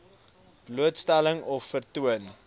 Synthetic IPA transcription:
b̥luətstɛləŋɔfːərtuən

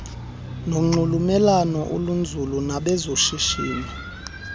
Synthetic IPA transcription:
noŋ͡ǃulumɛlanɔʔṵlund͡zʱulunaɓɛzoʃiʃiːni

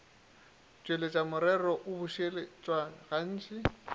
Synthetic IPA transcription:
t͡ʃʼwelet͡ʃʼamʊɾɛrɔʔʊbʊʃelɪt͡ʃʼwaɣan̩ːt͡ʃʼɪ

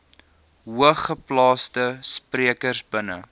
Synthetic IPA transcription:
ɦuəχəplɑːstəspriəkərsbənə̰

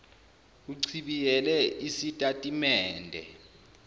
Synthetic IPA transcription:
uǀʰiɓijɛlɛʔisitʼatʼimɛːndʱɛ̰

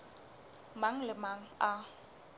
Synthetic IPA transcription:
maŋ̩lɪmaŋ̩a

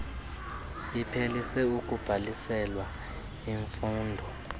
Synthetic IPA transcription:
ipʰelisɛukʼub̥ʱalisɛlwa | iɱfuːndʱɔ

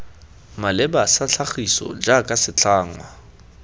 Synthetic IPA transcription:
malɛbasat͡ɬʰaχisɔ̰d͡ʒakʼasɪt͡ɬaːŋwa

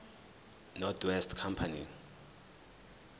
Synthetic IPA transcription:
nɔdwɛstʰkʰampʰani

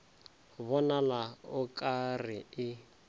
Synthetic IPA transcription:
βɔnalaʊkʼarɪɪ

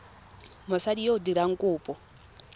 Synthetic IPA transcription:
mɔsadijodiɾaŋ̩kʼʊːpʼɔ

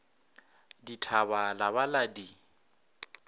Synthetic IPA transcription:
ditʰaβalaβaladi

